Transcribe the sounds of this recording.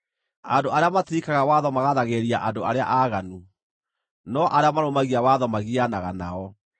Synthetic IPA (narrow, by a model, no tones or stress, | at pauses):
andoʔaɾeamatikaɣawaðɔmaɣaðaɣeɾiaʔandoaɾea̰ʔaɣanu | nɔʔaɾeamaɾomaɣiawaðɔmaɣianaɣana̰ɔ